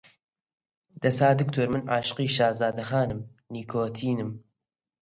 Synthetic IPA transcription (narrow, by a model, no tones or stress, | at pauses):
d̪̥ɐsaːd̪ɨkt̪ʰoːɾmɨnʔaːʃɨ̥qiːʃaːzaːd̪ɐxaːnɨmniːkʰoːt̪ʰiːnɨm